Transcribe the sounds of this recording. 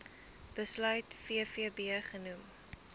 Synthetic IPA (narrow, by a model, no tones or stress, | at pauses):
b̥əslœɥtfiəfiəbiəχənum